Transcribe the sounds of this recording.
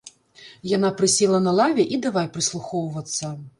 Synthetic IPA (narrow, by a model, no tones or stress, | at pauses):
janapɾɨsʲɛlˠɐnɐlˠavʲɛʔid̪avajpɾɨslˠuxɔwvɐt̪sːɐ